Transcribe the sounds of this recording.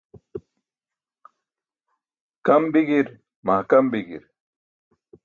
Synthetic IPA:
kɐmbiɡiɾ | maːkɐmbiɡiɾ

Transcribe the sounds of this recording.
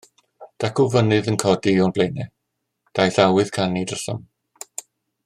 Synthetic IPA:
d̥akʰʊvənɨðənkʰɔdiɔnblejnɛ | d̥ajθawɨð̥kʰanidəɬɔ̰m

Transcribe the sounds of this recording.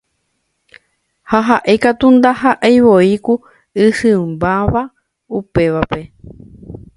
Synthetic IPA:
haɦaʔejkat̪und̪aɦaʔajʋoiku | ɨhɨmbaʋa | upe̞ʋape̞

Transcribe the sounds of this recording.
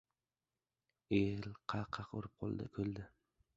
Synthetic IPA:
elqʰɑqʰɑqo̰ɾɪp̚qʰo̰lˠd̪ɪ̰kʲʰɵld̪ɪ

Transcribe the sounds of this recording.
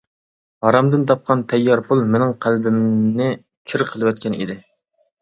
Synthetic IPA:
hɑɾɑmd̪ɨnt̪ʰɑp̚qʰɑnt̪ʰɛjːɑɾpulˠmɪnɪŋqʰælbɪmnɪ | kʲʰiɾɨqʰəlˠɨwɛt̪̚kʲʰɛnḭd̪ɪ

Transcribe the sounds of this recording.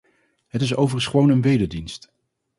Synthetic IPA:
ɦətɪs̬owvərsχəʋownənʋejdədinst

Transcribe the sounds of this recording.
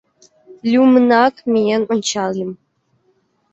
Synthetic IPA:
lʲumɨnakʰʼmijɛnʷʊnt͡ʃʰaːlim

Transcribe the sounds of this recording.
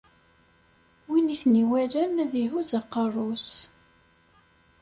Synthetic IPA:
winiθniwælænæðiɦuzɑqːɑrˤːus

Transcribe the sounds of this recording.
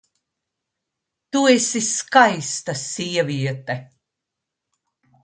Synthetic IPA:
t̪uesʲiskajst̪asʲiɛviɛt̪ɛ

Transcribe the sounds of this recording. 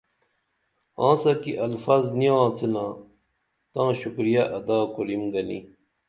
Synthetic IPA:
ãːsɐkiʔɐlfaːzniãːt͡senãː | t̪ãːɕukɾijɐʔɐd̪aːkolimɡɐnḭ

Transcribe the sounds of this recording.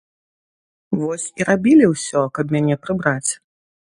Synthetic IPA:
vɔsʲiɾabʲilʲiwsʲɔkɐpmʲanʲɛpɾɨbɾat͡sʲ

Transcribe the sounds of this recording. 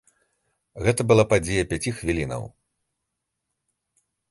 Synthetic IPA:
ɣɛt̪ɐbɨlˠapad͡zʲɛjɐpʲat͡sʲixvʲilʲinɐ̰w

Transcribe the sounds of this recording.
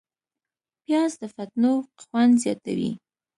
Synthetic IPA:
pjɑzd̪əfat̪noxwand̪zjɑ̰t̪a̰wḭ

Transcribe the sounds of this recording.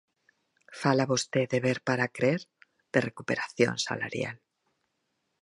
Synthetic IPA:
falaβost̪eðeβeɾpaɾakɾeɾ | d̪erekupeɾaθjo̰nsa̰la̰ɾja̰l

